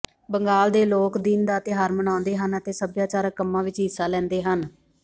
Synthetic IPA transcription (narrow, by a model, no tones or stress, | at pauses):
bəŋɡaːld̪eːloːkd̪ɪnd̪aːt̪ɪɦaːɾməñãːnd̪eːɦənət̪eːsəbjaːt͡ʃaːɾəkəmːãːʋɪt͡ʃɦɪsːaːlɛ̃ːnd̪eːɦən